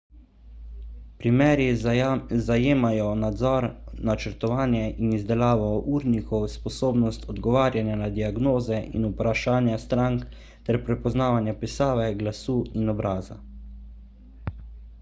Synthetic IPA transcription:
pɾimɛːɾji | zajeːmajɔnad̪zɔɾnat͡ʃɛɾt̪ɔʋaːnjɛʔinizd̪ɛlaːʋɔʔuːɾnikɔwspɔsoːbnɔst̪ʰɔd̪ɡɔʋaːɾjanjanad̪iaɡnoːzɛʔḭnupɾaʃaːnjast̪ɾaŋk | t̪ɛɾpɾɛpɔznaːʋanjapisaːʋɛɡlasuːinɔbɾaːza̰

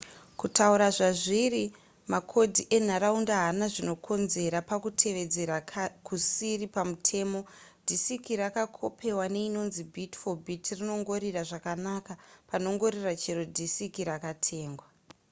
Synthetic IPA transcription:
kutauɾaʐaʐiri | makʰo̞dʱiʔe̞n̤aɾaundaɦanaʐino̞kʰo̞nze̞ɾapakutʰe̞ʋe̞d͡zeɾakusiripamutʰe̞ːmo̞dʱisikiɾakakʰo̞pʰe̞wane̞ino̞nzibʱitfo̞bʱitrino̞ŋɡo̞ɾiraʐakanakapano̞ŋɡo̞ɾirat͡ʃeɾodʱisikiɾakatʰe̞ːŋɡwa

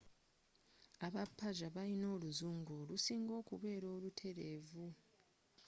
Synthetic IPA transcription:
aβapʰːaʒaβaɾino̞ːluzuːŋɡolusiːŋɡo̞ːkuβe̞ːɾo̞ːlutʰe̞ɾeːvu

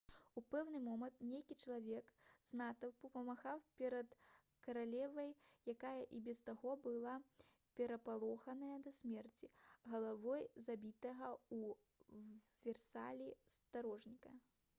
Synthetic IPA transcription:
upɛwnɨmɔmɐnt̪nʲejkʲit͡ʂɐlˠavʲɛkznat̪ɐwpɐpɐmaxawpʲɛɾɐt̪ | kɐɾalʲɛvɐjjakajɐʔibʲɛst̪aɣɔbɨlˠa | pʲɛɾɐpalˠɔxɐnɐjɐd̪ɐsʲmʲɛrt͡sʲiɣɐlˠavɔjzabʲit̪ɐɣɐu | vʲɛrsa̰lʲist̪aɾɔʐnʲikɐ

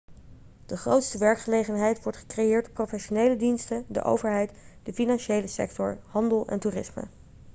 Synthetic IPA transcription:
d̥əχrowtstəʋɛɹkχəlejχənɦɛjtʋɔɹtχə̥krejɪːɹdprowfɛʃonejlədinstədə̰ʔo̰wvəɹɦɛjt | dəfinɑnʃejləsɛ̰k̚tɔ̰ɹhɑndəlˠɛ̰ntuːrɪsmə̰

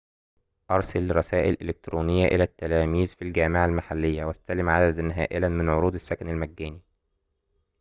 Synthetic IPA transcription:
ʔɑɾˤsælɾˤɑsæːʔelʔelek̚t̪ɾuːnejːæʔelæt̪ːælæːmiːzfilɡæːmeʕalmaħalːejːæwæst̪ælɪmʕad̪æd̪ænɦæ̰ːʔɪlænmɪnʕoɾuːd̪ɪsːækænælmæɡːæːni

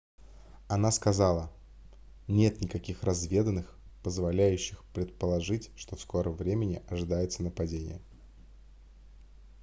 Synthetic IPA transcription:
ɐnaskɐzɑlˠə | nʲe̞t̪nʲɪkɐkʲixrɐzvʲe̞d̪ənːɨx | pəzvɐlʲæjʉɕːɪxpɾʲɪt̪̚pəlˠɐʐɨtʲʂt̪o̞fsko̞ɾəmvɾʲemʲɪnʲɪʔɐʐɨd̪ajɪt̪sənəpɐdʲenʲɪ̰jə

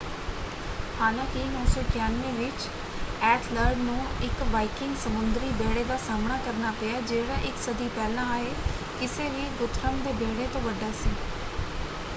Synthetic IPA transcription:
haːnãːkiːnɔːsɔːkɪjaːnʋẽːʋɪt͡ʃ | ɛːʈʰləɾɖnũːɪkʋaːikɪ̃ŋɡsəmʊnd̪ɾiːbeːɽeːd̪aːsaːmɳaːkəɾnaːpeaːd͡ʒeːɽãːʔɪksəd̪iːpɛːlãːaːeː | kɪseːʋiːɡʊt̪ʰɾəmd̪eːbeːɽeːt̪õːʋəɖːaːsiː

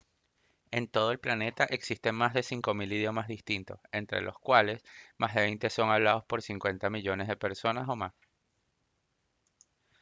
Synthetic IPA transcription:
e̞nt̪o̞ð̞o̞e̞lplane̞t̪aʔeksist̪e̞ŋmazðe̞siŋko̞miliðjo̞mazðist̪int̪o̞̰se̞nt̪ɾe̞̰lʔo̞̰skwale̞smʔazðe̞βejnt̪e̞so̞ŋaβlaðo̞spo̞ɾsiŋkwe̞nt̪amiʝo̞ne̞zðe̞pe̞ɾso̞naso̞mas

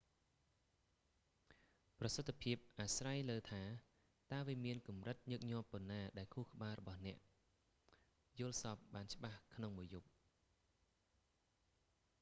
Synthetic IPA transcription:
prɑsət̪ʰːpʰiəp̚ʔaːsrajləːt̪ʰaː | t̪aəʋiəmiənkumrɨt̪̚ɲəːk̚ɲŏəpːŏnːaːɗaɛlkʰuːhkə̆ɓaːlrɔɓɑhnɛ̆əʔ | jʊəlsɑːp̚ɓaːnt͡ɕə̆ɓahkʰnoŋmuəjup̚

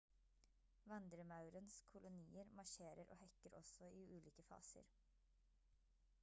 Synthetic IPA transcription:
ʋɑnd̪ɾəmɑʉɾənskʰʊlʊniːəɾmɑʃeːɾəɾʔo̰ːhɛkəɾɔsɔiːʉːliːkəfɑ̰ːsə̰ɾ

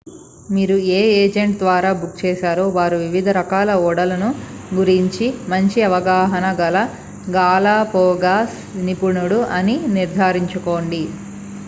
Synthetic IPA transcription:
miːɾueːeːd͡ʒeɳʈd̪ʋaːɾaːbuk̚t͡ʃɛːʃaːɾoːʋaːɾuʋiʋid̪ʱɐɾɐkaːlɐɔːɽɐlɐnu | ɡuɾiɲt͡ʃimɐɲt͡ʃiɐʋɐɡaːɦɐnɐɡɐlɐ | ɡaːlaːpɔːɡaːs | nipuɳuɽuʔɐniniɾd̪ʱaːɾiɲt͡ʃuko̞ːɳɖi

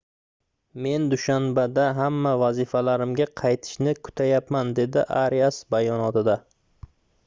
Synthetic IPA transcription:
me̞nd̪ʊʃanbad̪aɦamːavazifalaɾɪmɡʲaqʰɑjt̪ʰɪ̥ʃnɪkʰʊ̥t̪ʰajapmand̪e̞d̪ɪʔaɾiasbajɒnɒt̪ɪd̪a

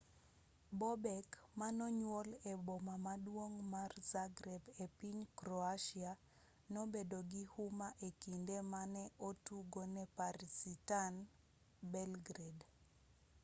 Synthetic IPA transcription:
bɔbɛkmanɔɲwolɛbɔmamadwoŋmarzaɡɾɛbepiɲkɾɔaʃia | nobedoɡihumaʔekindemanɛʔotuɡonɛpaɾisitan | bɛlɡɾed

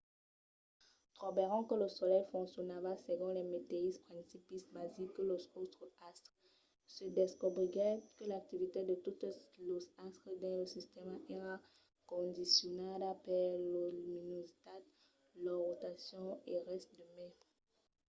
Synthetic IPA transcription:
t̪ʁɔbeʁɑ̃kələsɔlɛjfɔ̃ŋksjɔnavaseɡɔ̃lɛmet̪eispχɛ̃sipismazikəlozot̪χast̪ | səd̪eskubʁiʁɛkəlak̚t̪ivit̪ed̪ət̪ut̪lozast̪χəd̪ɛ̃ləsist̪ɛmaɛʁa | kɔ̃d̪isjɔnad̪apɛlominozt̪at̪ | lɔʁot̪asjɔ̃eʁɛst̪̚d̪əmɛ̃

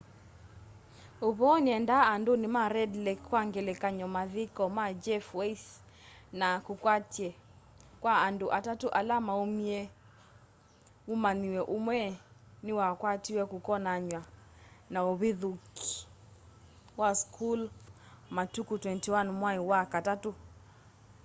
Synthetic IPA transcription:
uβɔnɛndaːndunimaɾɛdlɛkːwaŋɡɛlɛkaɲɔmaðikɔmad͡ʒɛfwɛis | nakukwatɛ | kwaːnduʔatatuʔalamaumiɛ | umaniwɛʔumwɛniwakwatiwɛkukɔnaɲwanaɔβiðuki̥ | waskʰul | matukutwɛntiwanmwaiwakatatu

